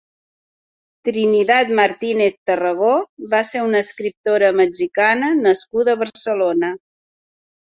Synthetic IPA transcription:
t̪ɾinit̪at̪məɾt̪ineθt̪ərəɣ̞oβaseɾunəːskɾip̚t̪oɾəməd͡ʒikanənəskuðəβəɾsəlonə

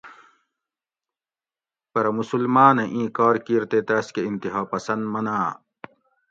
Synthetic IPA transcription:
pɐɾɐmusulmaːnɐʔĩːkɔːɾkiɾt̪eːt̪ɐːskeint̪iɦaːpɐsɐnd̪mɐnaː

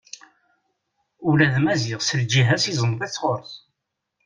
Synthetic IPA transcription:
ulæðmæzɪʁsəɾd͡ʒiɦæsizˤənðˤit͡sːʁoɾˤθ

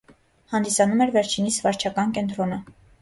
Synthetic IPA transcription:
hɑnd̪isɑnumɛɾvɛɾt͡ʃʰinisvɑɾt͡ʃʰɑkɑnkɛnt̪ɾɔnə

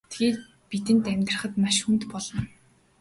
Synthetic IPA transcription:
t̪ɡeːt̪ | pit̪ɘ̆nt̪æmʲt̪rə̆χə̆t̪maʃxunt̪pɔɮɞ̆n

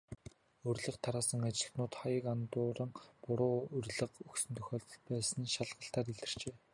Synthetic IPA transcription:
ɵrʲɮə̆qt̪ʰaɾaːsə̆ŋat͡ɕɪ̆ɬt̪nʊːt̪χajə̆kant̪ʊːɾə̆ŋpʊɾʊːɵrɮə̆qɵksɵ̆nt̪ʰɵxʲɔːɮt̪pæːsə̆nʃaɮʁə̆ɬt̪aːt̪iɮt̪ɘ̆r̥t͡ɕeː

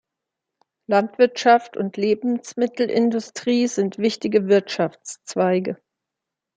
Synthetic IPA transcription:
lantv̥ɪɐtʃaftʊ̰ntʰleːbm̩smɪtl̩ʔɪndʊstʁ̥iːzɪntv̥ɪçtɪɡəvɪɐtʃaft͡st͡sv̥aɪɡə

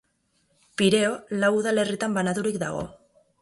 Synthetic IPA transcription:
piɾeolawðalerit̪ambanaðuɾik̚d̪a̰ɣo̰

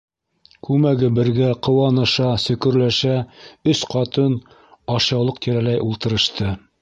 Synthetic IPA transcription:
kʉmæɡɘbɘ̆ɾɡæqŏwɑnɤ̆ʃɑsɵ̆kɵ̆ɾlæʃæɵsqɑt̪ɤn | ɑʃɑwlˠɤqt̪iɾælæjulˠt̪ɤ̆ɾɤ̆ʃt̪ɤ

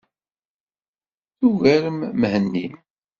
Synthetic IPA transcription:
θuɣæɾəmmhənːḭm

